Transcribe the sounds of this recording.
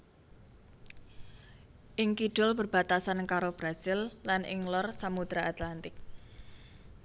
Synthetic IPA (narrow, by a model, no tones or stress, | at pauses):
ʔɪŋkiɖ̥ʊlbərb̥a̤t̪asankaɾob̥ɾasɪlːanɪ̰ŋlɔrsamut̪ɾaat̪lant̪ɪk̚